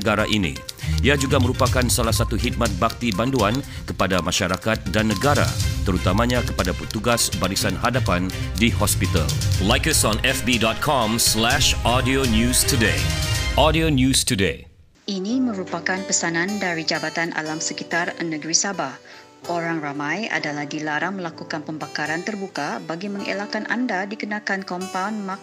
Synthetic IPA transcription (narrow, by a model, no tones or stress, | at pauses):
ɡaɾaʔinḭiad͡ʒuɡaməɾupakansalahsat̪uɦit̪̚mat̪̚bak̚t̪ibanduan | kəpadamaʃaɾakat̪̚danːəɡaɾa̰t̪əɾut̪amãɲakə̥padapət̪uɡasbaɾisanɦadapandihɔspit̪a̰llajkəsɔ̃nɛfbidɔt̪̚kʰɔmslɛʃɔdionjustudeʔɔdionjustudḛ | ʔinimə̃ɾupakanpəsanãndaɾid͡ʒabat̪anʔa̰lamsəkit̪arnəɡɾisabah | ʔoɾaŋramãja̰dalahdilaɾaŋməlakukanpəmbakaɾant̪ərbukabaɡiməŋḛlakanʔa̰ndadikənakankɔmpawnma